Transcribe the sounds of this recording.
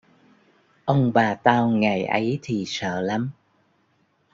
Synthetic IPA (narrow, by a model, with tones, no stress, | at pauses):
ʔə˧wŋ͡mɓaː˨˩t̪aː˧wŋa˨˩jʔə˨˦jt̪ʰi˨˩sə̰ː˧˨la˨˦m